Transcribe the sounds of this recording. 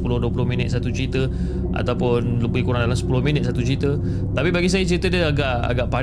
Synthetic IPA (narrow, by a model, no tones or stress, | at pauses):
pulʊhduəp̬ulʊɦmĩnɪt̪̚sat̪ut͡ʃəɾit̪ə | a̰t̪awpʊnləbəihkoɾandalamsə̥pulʊhmĩnɪt̪̚sat̪ut͡ʃəɾit̪ə | t̪apibaɡis̬ajat͡ʃəɾit̪ədəaɡaʔa̰ɡaʔpa